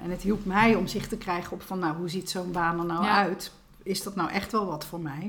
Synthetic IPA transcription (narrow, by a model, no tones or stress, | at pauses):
ʔɛ̰nətɦilˠpmɛjɔmzɪχtəkrɛjχəɔpfɑnːawɦuzitsonbaːnənːaœɥt | ɪzdɔtnawʔɛχtʋɛlˠʋɑtfoːɹmɛj